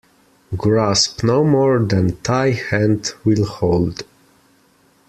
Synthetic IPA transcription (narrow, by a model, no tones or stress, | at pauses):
ɡɹaspnoʊmɔɹd̪æ̃ntʰajhæ̃ntwɪlˠhoʊld